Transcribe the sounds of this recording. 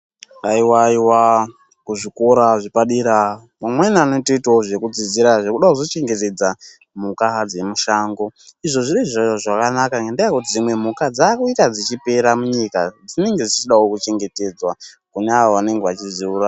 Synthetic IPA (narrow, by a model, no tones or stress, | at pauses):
aiwaiwa | kuʐikoɾaʐipaɗiɾa | mamwenaaːno̞toitaoʐe̞kud͡ziziɾaʐe̞kuɗakuzot͡ʃe̞ŋɡe̞te̞d͡za | mukad͡ze̞muʃaːŋɡo̞iʐo̞ʐiɾiʐaaʐakanakaŋɡendaakutid͡zimwe̞mukad͡zaːkuitad͡zit͡ʃipe̞ɾamuɲikad͡zine̞ŋɡe̞d͡zit͡ʃiɗaokut͡ʃe̞ŋɡe̞te̞d͡zwa | kuneaʋoʋane̞ŋɡeʋat͡ʃiziuːɾa